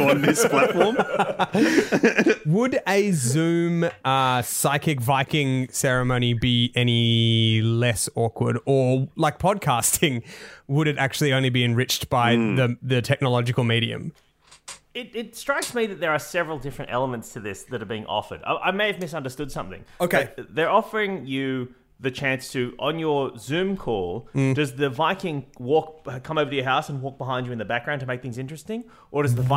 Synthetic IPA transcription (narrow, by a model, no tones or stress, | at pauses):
nðɪspʰl̥ætfɔɹm | wəɾɨzʉ̃mʌsaɪkɨkvaɪkɪ̃ŋsɛɹɨmõʊ̃ñibiʔɛñi | lɛsɔkʰwə̰˞ɾə˞laɪk̚pʰɑd̚kʰæstʰɪ̃ŋwəɾɨɾæk̚t͡ʃʉl̩ˠiõʊ̃nlibiɨ̃nɹɪt͡ʃb̥aɪðɨðɨtʰɛk̚nəlɑd͡ʒɨkl̩ˠmiɾiɨ̰̃m | ɪɾɪtstɹ̥aɪksmiðɨt̪̚ðə˞ːsɛvɹl̩ˠdɪfɹɨ̃ntɛ̰lˠəmɨ̃ntstʰɨðɪsðɨɾə˞biɪ̃ŋʔɔ̰fə̰˞da̰ʔa̰ɪmeɪɨvmɪs̬ʌ̃ndə˞stʊd̥sʌ̃mθɪ̰̃ŋoʊkʰðə˞ɔfə˞ɪ̃ŋjɨ | ðɨt͡ʃʰæ̃nstʰɨʔə̃njə˞zʉ̃mkʰɔlˠd̥ʌzðɨvaɪkɪ̃ŋwɔk̚ʌkʰʌ̃moʊvə˞ɾɨjə˞ɦaʊsə̃nwɔk̚b̥əɦãɪ̃nd͡ʒɨ̃nðɨbæk̚ɡ̥ɹãʊ̃ntʰəmeɪk̚θɪ̃ŋzɪ̃nt͡ʃɹ̥ɨstɪ̃ŋ | ʔə˞ɾʌzðəva